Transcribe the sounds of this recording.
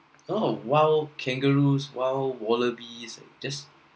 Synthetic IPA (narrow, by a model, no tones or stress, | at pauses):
owawlkʰɛ̃ŋɡəɹuswawlwɔləbisa̰d͡ʒas